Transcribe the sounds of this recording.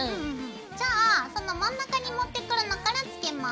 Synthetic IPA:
d͡ʑaːsõ̞nːomãnːakaɲ̟imo̞t̪ːe̞kɯ̟ɾanokaɾat͡sɨ̥ke̞ma

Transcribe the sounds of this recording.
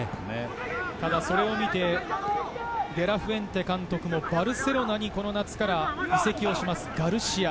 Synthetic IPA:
nḛ | t̪ad̪aso̞ɾe̞o̞mʲit̪e̞ | d̪e̞ɾaɸɯ̟ẽ̞nt̪e̞kãnt̪o̞kɯ̟mo̞baɾɯ̟se̞ɾo̞naɲ̟iko̞no̞nat͡sɨ̥kaɾaise̞kʲio̞ɕimasɨ̥ɡaɾɯ̟ɕia

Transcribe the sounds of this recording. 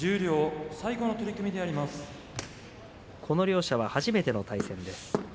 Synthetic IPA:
d͡ʑɨːɾʲo̞ːsaiɡo̞not̪o̞ɾʲikɯmʲid̪e̞aɾʲimasɨ̥ | kʰo̞no̞ɾʲo̞ːɕaβ̞ahaʑime̞t̪e̞no̞t̪aisẽ̞nd̪e̞sɨ̥

